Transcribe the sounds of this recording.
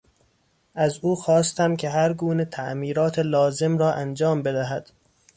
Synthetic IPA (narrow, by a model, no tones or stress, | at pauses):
ʔæzuːxɒːst̪æmkʰe̞ɦæɾɡuːnet̪ʰæʔmiːɾɒːt̪ʰelɒːze̞mɾɒːʔænd͡ʒɒːmbe̞d̪æɦæd̪̥